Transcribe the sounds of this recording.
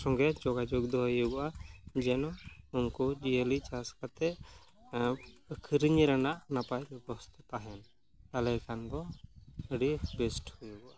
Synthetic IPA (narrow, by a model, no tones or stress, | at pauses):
sɔŋɡɛd͡ʒɔɡad͡ʒoɡd̪ɔɦɔjuɡɔʔad͡ʒɛnɔumkɔd͡ʒielit͡ʃaskat̪ɛ | kʰiɾiɲɾanaʔnapajbɔst̪ɛpaɦɛn | t̪alɛkand̪ɔəɖibɛsʈhujuɡɔʔa